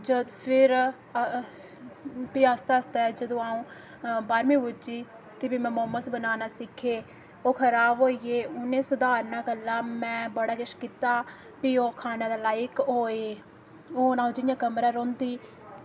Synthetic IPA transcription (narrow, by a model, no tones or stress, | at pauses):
d͡ʒəpʰɪɾ | piːaːst̪aːəst̪aːɛd͡ʒəd̪õːaːũː | baːɾmĩːbʊd͡ʒiː | t̪ebiːmɛ̃ːmomːəsbənaːnaːsɪkʰːeː | oːkʰəɾaːbɦoːiːeːʊnẽːsəd̪aːɾnaːɡəlːaːmɛ̃ːbəɽaːɡɪʃkiːt̪aː | biːoːkʰaːnãːd̪aːlaːɪkɦoːeː | oːnãːũːd͡ʒɪjãːkəmɾaːɾõːnd̪iː